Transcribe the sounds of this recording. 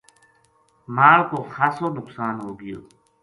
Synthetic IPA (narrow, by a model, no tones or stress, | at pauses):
maːlkoxaːsoːnʊksaːnɦoːɡijo̰ː